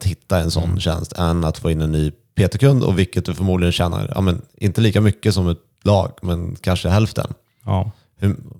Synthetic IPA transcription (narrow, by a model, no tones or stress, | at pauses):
t̪hɪt̪ːaɛnsɔ̰nːɕɛ̰nst̪ʰɛnat̪foːɪnːɛnːyː | pʰeːt̪ɛkɵnd̪ɔ̰vɪlkːət̪̚d̪ɵfœɾmuːd̪ɪɡənɕɛnːa̰ɾjɑ̰ːmɛnʔɪnt̪əliːkamʏkːəsɔmɛt̪ | lɑ̰ːɡmɛnkʰanʂəɦɛlft̪ʰə̰n | hɵ